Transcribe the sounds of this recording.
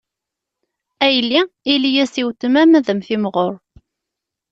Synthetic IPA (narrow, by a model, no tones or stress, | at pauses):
æjlːiilijæsiwt̪əmæmæðəmθimʁoɾ